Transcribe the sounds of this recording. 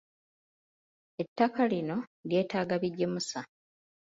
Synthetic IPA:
e̞tːakalino̞ɾje̞ːtaːɡaβiɟːe̞musa

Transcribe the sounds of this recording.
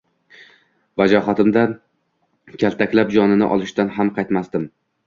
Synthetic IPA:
vad͡ʒɒɦɒt̪ɪmd̪a | kʲʰalt̪ʰakʲlap̚d͡ʒɒnɪnɪ̰ʔɒ̰lˠɪʃt̪anɦamqʰɑjt̪masd̪ɪm

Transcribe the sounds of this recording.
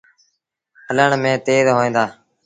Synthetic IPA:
hələɳmẽːt̪eːzɦoːẽːnd̪aː

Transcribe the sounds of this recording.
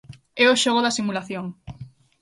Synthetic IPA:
ɛoʃoɣoðasimulaθjoŋ

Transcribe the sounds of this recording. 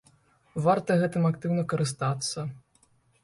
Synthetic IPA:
vart̪ɐɣɛt̪ɨmakt̪ɨwnɐkɐɾɨst̪at̪sːɐ

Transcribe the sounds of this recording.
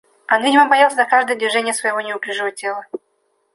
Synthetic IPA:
onvʲidʲɪməmbɐjalˠsʲəzɐkaʐd̪əjəd̪vʲɪʐɛnʲɪjəsvəjɪvo̞nʲɪʊpʲɪʐɨvətʲelˠə

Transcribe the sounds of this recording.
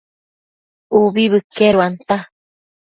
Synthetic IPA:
uβiβɨkeɾuant̪a

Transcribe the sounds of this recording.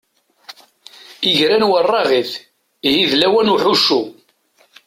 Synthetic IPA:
iʝɾænwərˤːɑʁiθ | hiðlæwænuħuʃu

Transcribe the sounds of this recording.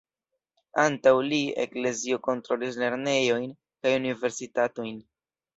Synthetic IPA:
antawliḛkle̞zio̞ko̞ntɾo̞lis̬le̞ɾne̞jo̞jn | kajunive̞ɾsitato̞jn

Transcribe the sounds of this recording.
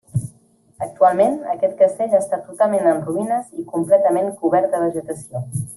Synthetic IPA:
ək̚t̪ualˠmenəkɛt̪̚kəst̪eʎast̪at̪ut̪alˠmenənruinəzikumplɛt̪əmeŋkuβɛɾt̪̚d̪əβəʒət̪əsjo

